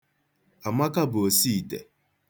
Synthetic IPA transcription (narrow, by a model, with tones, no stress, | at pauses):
a˨ma˦ka˦bʊ˨o˨si˦i˨te˨